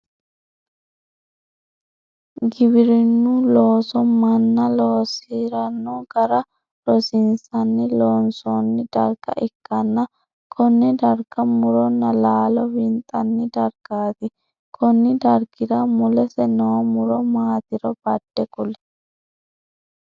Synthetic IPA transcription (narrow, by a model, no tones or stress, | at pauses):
ɡɪbɪɾɪnːʊloːsɔmɐnːɐloːsiɾɐnːuɡɐɾɐ | lɔsɪnsɐnːɪloːnsɔnːɪd̪̥ɐɾɡɐ̰ʔɪkːɐnːɐ | kʰɔnːɪd̪ɐɾɡɐmʊɾɔnːɐlaːlɔbɪnt̪ʼːɐnːɪd̪ɐɾɡ̥aːt̪ɪ | kʰɔnːɪd̪ɐɾɡɪɾɐmʊlɛsɛnowmʊɾɔmaːt̪ɪɾɔb̥ɐd̪̥ːɛkʊlɛ̥